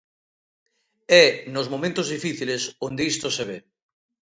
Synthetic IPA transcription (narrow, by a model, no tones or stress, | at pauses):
ɛnozmomẽnt̪ozðifiθilesond̪eist̪oseβe